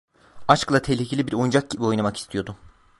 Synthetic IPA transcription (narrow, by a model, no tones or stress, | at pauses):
at͡ʃklˠat̪ʰelʲicʰelʲibiɾo̞jund͡ʒak̚ɟibio̞jnamaki̥st̪ʰijo̞d̪ʊ